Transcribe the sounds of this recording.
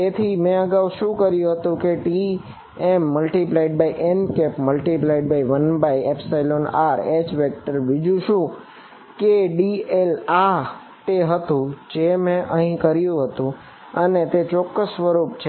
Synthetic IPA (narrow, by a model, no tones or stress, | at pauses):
t̪et̪ʰimẽəɡawʃũkəɾjũɦət̪ũkeʈi | emːəlʈiplaiɖ̚baiʔenkepməlʈiplaiɖ̚baiʋənbaiepsajlonaɾet͡ʃʋek̚ʈəɾʋid͡ʒũʃũ | keɖiela | t̪eɦət̪ũd͡ʒemẽʔəɦĩkəɾjũɦət̪ũ | ənet̪et͡ʃɔkːəsʋəɾupt͡ʃʰe